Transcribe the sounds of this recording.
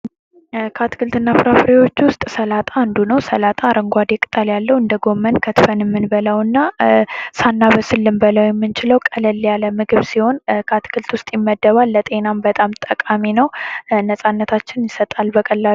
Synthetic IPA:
kʰat̪kʰɨlt̪ɨnːafɨɾafɨɾiwo̞t͡ʃːwʊst̪ʼsəlat̪ʼaːnd̪unəwsəlat̪ʼaɾəŋɡʷad̪ekʼɨt̪ʼəljalːəwɨnd̪əɡo̞mːənkʰət̪fənjɛmːɨnbələwɨnːa | sanːaβəsɨlːɨmbələwjɛmːɨnt͡ʃɪləwkʼələlːjaləmɨɡɨβsiho̞nkʰat̪kʰɨlt̪wʊst̪ʼjɪmːəd̪ːəβalːət̪ʼe̞nambət̪ʼamt̪ʼəkʼaminəwnəsʼanːət̪ʰat͡ʃːɪnjɪsət̪ʼalbəkʼəlːa

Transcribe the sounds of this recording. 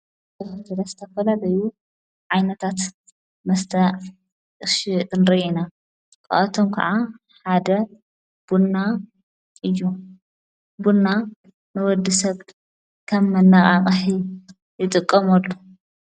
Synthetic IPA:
t̪ɐɾɐzɨ̥t̪ʰɐfɐlalɐju | ʕajnɐt̪ʰat̪ | mɐst̪ʰɐʕ | ɨʃiʔɨnɾɐʔina | kʼɐ̰ʔɐt̪ʰomkʰɐ̰ʕa | ħad̪ɐ | b̥unːa | ʔɨjːu | bunːa | nɨwɔd̪ɨsɐβ | kʰɐmːɐnːaχʼaqʼħi | jɨt̪ʼɨkʼːɐmɐlːu

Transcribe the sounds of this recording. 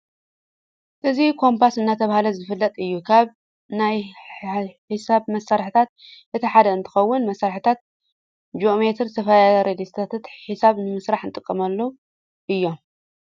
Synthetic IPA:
ʔɨzikʰo̞mpʰasɨnːat̪ʰɐβahalɐzɨfɨlːɐt̪ʼɨjːukʰaβ | naj | ħɨsaβmɐsːaɾħit̪ʰat̪̚ʔɨt̪ʰiħad̪ɐɨnt̪ʰɨ̥xɐwːʊnmɐsːaɾħit̪ʰat̪̚ | d͡ʒome̞t̪ʰɾt̪ʰɐfɐjaɾed̪ist̪ʰat̪ʰat̪ħisaβnɨmɨsɾaħɨnt̪ʼɨkʼːɐmɐlːɐ | ʔɨjːo̞m

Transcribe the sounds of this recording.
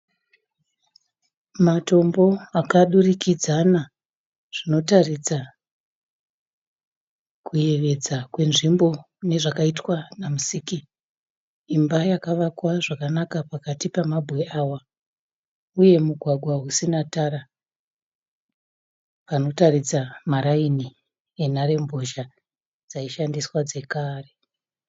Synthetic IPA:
mato̞mbo̞akaɗurikid͡zana | ʐ̥ino̞tarid͡za | kuje̞ʋe̞d͡zakwe̞nʐimbo̞ | ne̞ʐakaitwanamusiːki | mbajakaʋakwaʐakanakapakatipamabʱweawa | uje̞muɡʱwaɡʱwaɦusinataɾa | pano̞tarid͡zamaɾaini | enaɾe̞mbo̞ʃa | d͡zaiʃandiswad͡ze̞kaːre

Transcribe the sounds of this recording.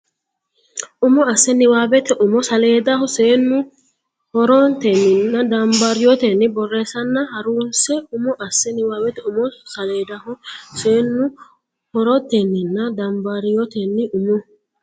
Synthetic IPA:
ʔʊmɔɐsːɛnɪwaːbɛt̪ɛʔʊmɔsɐleːd̪ɐhɔseːnːʊ | hɔɾɔnt̪ɛnːɪnːɐd̪ɐmbɐɾɪjɔt̪ɛnːɪbɔrːeːsɐnːɐhɐɾuːnsɛʊmɔʔɐsːɛnɪwaːbɛt̪ɛʊmɔsɐleːd̪ɐhɔse̞ːnːʊ | hɔɾɔt̪ːɛnːɪnːɐd̪ɐmbɐɾɪjɔt̪ɛnːɪʊmʊ

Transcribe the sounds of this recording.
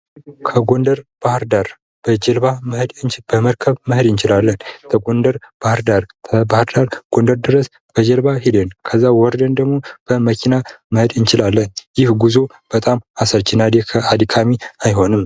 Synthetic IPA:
kʰəɡo̞nd̪əɾb̥ahɾd̪aɾ | b̥əd͡ʒɛlbamɨhd̪ɨnt͡ʃb̥əməɾkʰəβmɨhd̪ɨnt͡ʃɪlalːənt̪ʰəɡo̞nd̪əɾb̥ahɨɾd̪aɾt̪ʰəbahɨɾd̪aɾɡ̥o̞nd̪əɾd̪ɨɾəs | b̥əd͡ʒəlbaɦid̪enkʰəzːawɔɾd̪ənd̪əɡmo̞b̥əməkʰinamɨhɨd̪ɨnt͡ʃɪlalːənjɪhɡuzo | b̥ət̪ʼamasəɾt͡ʃʰinad̪ekʰəad̪ikʰamiajɦo̞nɨm

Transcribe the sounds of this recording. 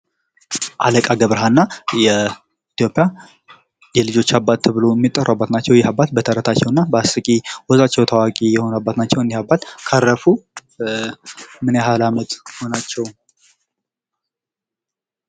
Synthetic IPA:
ʔaləkʼaɡəβɾəɦanːajɛ | it̪ʰjo̞pʼɪja | jɛlɨd͡ʒo̞t͡ʃːabːat̪̚ʰːɨβɨlo̞ɛmːit̪ʼːərabːat̪nat͡ʃːɛwjɛɦabat̪̚bət̪ʰəɾət̪ʰat͡ʃːɛwnːabəasɨkʼiwɔzat͡ʃːɛwt̪ʰawakʼijɛho̞nabːat̪nat͡ʃːɛwɨndihabːat̪kʰarːəfu | mɨneɦalamət̪ho̞nat͡ʃːɛw

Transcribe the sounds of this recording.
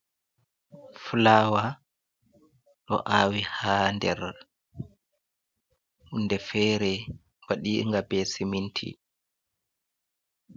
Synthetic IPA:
fulaːwa | ɗɔ̰ʔaːwihaːndɛɾ | ʔunːdɛfɛːɾɛ | waɗḭŋɡabɛsimintʰḭ

